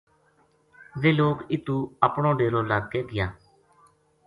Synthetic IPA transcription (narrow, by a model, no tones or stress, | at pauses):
ʋeːloːkɪt̪uːəpɳõːɖeːɾoːləɡkeːɡɪjaː